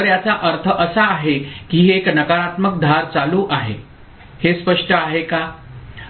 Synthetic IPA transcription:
ɾjat͡saʔəɾt̪ʰəʔəsaːɦekiːɦeːknəkaɾat̪mək̚d̪ʱaɾt͡saluʔaɦḛ | hespəʂʈəaɦeka

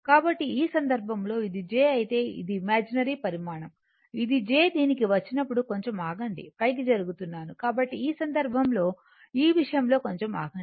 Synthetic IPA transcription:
kaːbɐʈːiiːsɐnd̪ɐɾbʱɐmlo̞ːid̪id͡ʒe̞ːɐjit̪e̞ːḭd̪imaːd͡ʒinɐɾipɐɾimaːɳɐm | id̪id͡ʒe̞ːd̪iːnikiʋɐt͡ʃːinɐpːuɽuko̞ɲt͡ʃemaːɡɐɳɖḭpɐjk̬id͡ʒɐɾuɡut̪unːaːnukaːbɐʈːiiːsɐnd̪ɐɾbʱɐmlo̞ː | iːʋiʂɐjɐmlo̞ːko̞ɲt͡ʃema̰ːɡɐɳɖi

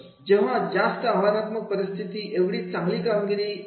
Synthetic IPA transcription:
d͡ʒeɦãd͡ʒast̪əaʋanat̪mək̚pəɾɪst̪ʰit̪iʔeʋɽit͡sãŋɡlikamɡiɾi

